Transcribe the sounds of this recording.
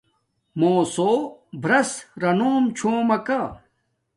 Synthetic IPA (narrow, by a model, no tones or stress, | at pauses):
moːsoːbʱɾɐsɾɐnoːmt͡ɕʰoːmɐka